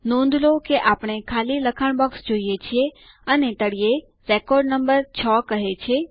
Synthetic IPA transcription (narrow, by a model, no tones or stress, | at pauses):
nõnd̪ʱlokeʔapəɳ̃ekʰaliləkʰaɳ̃bɔksd͡ʒoijet͡ʃʰie | ənet̪əɽije | ɾekɔɾɖnəmbəɾt͡ʃʰəkəɦet͡ʃʰe